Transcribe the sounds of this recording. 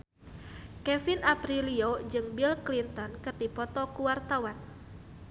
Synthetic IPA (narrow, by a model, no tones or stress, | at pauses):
kɛfinapɾiliod͡ʒɨŋbilklint̪ɔnkɨrdipɔt̪ɔkuwart̪awan